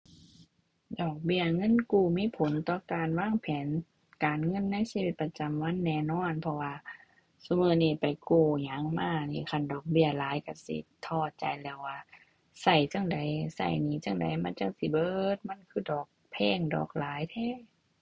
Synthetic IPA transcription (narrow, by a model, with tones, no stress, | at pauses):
dɔː˨˩k̚bi˧˨ɐŋɤ˧˥˨nkuː˧˩miː˧˥˨pʰo˨˦nt̪ɔː˧˨kaː˨nwaː˧˥˨ŋpʰɛː˨˦n | kaː˨nŋɤ˧˥˨nːa˧˥˨jsi˧wi˧˦t̪̚pa˧t͡ɕa˨mwa˧˥˨nːɛː˧˩˨nɔː˧˥˩npʰɔ˧waː˧ | su˧mɯː˧˩niː˧˩pa˨˩jkuː˧˩ɲa˨˦ŋmaː˧˩niː˧˩kʰa˧˨ndɔː˨˩k̚bi˧˩ɐlaː˨˦jka˧˩sḭ˧˦t̪ʰɔː˧˩t̪̚t͡ɕa̰˨jlɛː˧˩wwaː˧˩ | sa˧˩jt͡ɕa˧˥˨ŋda˨˦jsa̰˧˩jniː˧˨˦t͡ɕa˧˩ŋda̰˨˦jmaː˧˥˨t͡ɕa˧˥˨ŋ̚si˧˦bɤː˧˨t̪̚ma˧˥˨nkʰɯː˧˥˨dɔː˨˩k̚pʰɛː˧˥˨ŋdɔ̰ː˨˩k̚laː˨˦jt̪ʰɛː˧˥˨